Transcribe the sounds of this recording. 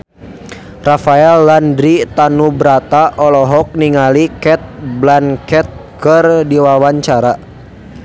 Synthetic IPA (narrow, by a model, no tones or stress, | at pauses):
rafaɛlːandɾit̪anubɾat̪aʔɔlɔɦɔk̚niŋalikɛt̪̚blankɛt̪̚kərdiwawaɲt͡ʃaɾa